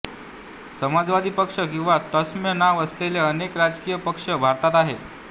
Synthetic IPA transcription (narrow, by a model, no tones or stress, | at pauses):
səmad͡zʋad̪ʱiːpəkʂək̬ĩw̃ʋat̪əsmjənaʋəsleljaənekɾad͡zkijəpəkʂəbʱaɾt̪at̪aɦet̪